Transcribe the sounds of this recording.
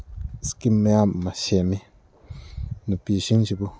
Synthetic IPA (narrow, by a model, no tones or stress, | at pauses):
skimẽamãʃemĩ | nũpiʃint͡ʃibu